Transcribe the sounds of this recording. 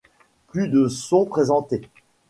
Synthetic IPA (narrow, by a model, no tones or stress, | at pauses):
plyd̪əsɔ̃pχezɑ̃t̪e